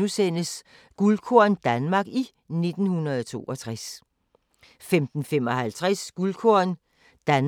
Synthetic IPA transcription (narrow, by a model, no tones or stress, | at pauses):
usen̰əs | ɡ̥ulkʰo̝ɐnd̥ænmɑ̈ɡ̥i | ne̝d̥n̩hunɐð̞ˠɒt͡sʰo̝̰ːʔɒ̽t͡sʰʁas | femd̥n̩fem̰ɒ̽hælt͡sʰʁasɡ̥ulkʰoɐ̰n | d̥æn